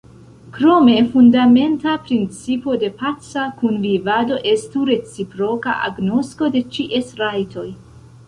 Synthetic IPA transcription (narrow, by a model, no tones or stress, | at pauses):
kɾo̞me̞fundame̞ntapɾint͡sipo̞de̞pat͡sakunvivado̞ʔe̞stuɾe̞t͡sipɾo̞ka̰ʔa̰ɡno̞sko̞de̞t͡ʃiʔesɾajtʰo̞j